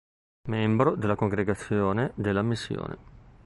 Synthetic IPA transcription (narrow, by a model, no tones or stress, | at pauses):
mɛmbɾod̪elːakoŋɡɾeɡat̪sːjoːned̪elːamisːjo̰ːnʔḛ